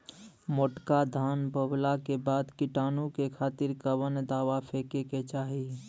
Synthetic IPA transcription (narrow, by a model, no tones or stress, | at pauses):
moʈkad̪ʱaːnbəblakebaːd̪kɪʈaːnũkekʰaːt̪ɪɾkəʋənd̪aːʋapʰeːkeket͡ʃaːɦi